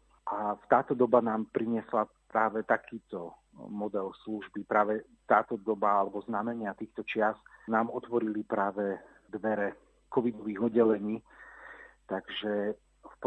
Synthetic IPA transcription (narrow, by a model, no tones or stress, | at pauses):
ʔaft̪aːt̪ɔd̪ɔbanaːmpɾiɲɪɛslapɾaːʋɛt̪akʰiːt̪ɔ | mɔd̪ɛlsluʒbipɾaːʋɛ | t̪aːt̪ɔd̪ɔbaalɛbɔznamɛɲɪat̪iːxt̪ɔt͡ʃɪasnaːmɔt̪ʋɔɾilipɾaːʋɛ | d̪ʋɛɾɛ | kɔʋid̪ɔʋiːɣɔdːɛlɛɲiː | t̪aɡʒɛ | fp